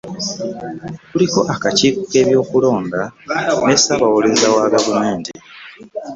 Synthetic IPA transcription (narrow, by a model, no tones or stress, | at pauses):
tuliko̞ʔakaciːkoke̞ːβjo̞ːkulo̞ːndanesaβawulezawaɡavume̞ːnti